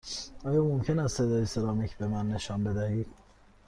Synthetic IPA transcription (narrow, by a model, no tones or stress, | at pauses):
ɒːjɒmomcʰe̞næst̪se̞d̪ɒːjese̞d̪ɒːmicʰbe̞mænːe̞ʃɒːnbe̞d̪æhiːd̪